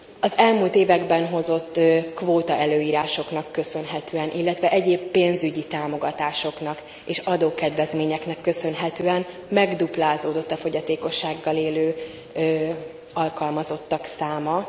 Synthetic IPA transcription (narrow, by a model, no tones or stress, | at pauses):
ɒzɛlmuːlt̪eːvɛɡbɛnɦo̞zo̞t̪ːkvoːt̪ɒʔɛløːiːɾaːʃo̞knɒkːø̞sø̞nɦɛt̪øːɛnʔilːɛt̪ʋɛʔɛɟeːbːeːnzyɟit̪aːmo̞ɡɒt̪aːʃo̞knɒk | eːʃɒd̪oːkɛd̪ʋɛzmeːɲɛknɛkːø̞sø̞nɦɛt̪øːɛn | mɛɡd̪uplaːzoːd̪o̞t̪ːɒfo̞ɟɒt̪eːko̞ʃːaːɡːɒleːløː | ɒlkɒlmɒzo̞t̪ːɒksaːmɒ